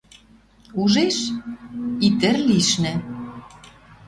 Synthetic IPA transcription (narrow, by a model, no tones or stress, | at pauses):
uʒeʃ | it̪ɘ̆rliʃnɘ̆